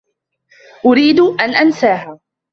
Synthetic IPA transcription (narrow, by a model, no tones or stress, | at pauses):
ʔʊɾiːd̪ʔanʔansaːɦaː